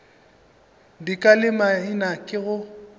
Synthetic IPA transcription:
dikʼalɪmainakʼɪɣʊ

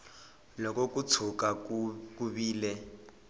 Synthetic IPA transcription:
lɔkɔkut͡sʰukakuβiːlɛ

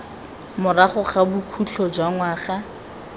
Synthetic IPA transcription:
mʊraχʊχabukʰuɬʰɔd͡ʒwaŋwaːχa

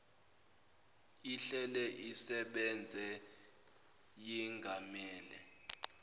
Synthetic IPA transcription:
iɬɛlɛʔisɛɓɛnd͡zʱɛ | jiŋɡʱamɛːlɛ

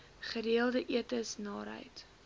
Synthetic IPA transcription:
χəɾiəlˠdəʔiətəsnɑːɾɦə̰jt

